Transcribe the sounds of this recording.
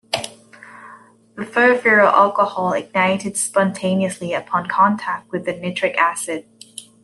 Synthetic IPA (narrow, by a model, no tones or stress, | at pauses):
ðəfəʊfɪɹəlʔalˠkəhɔlˠɪ̰ɡ̚naɪɾɪd̥spɑ̃ntʰẽɪ̃niəsliəpʰɑ̃nkʰɑ̃ntʰæk̚t̚wɨðɨnɪt͡ʃɹ̥ɪkæsɪd̥̚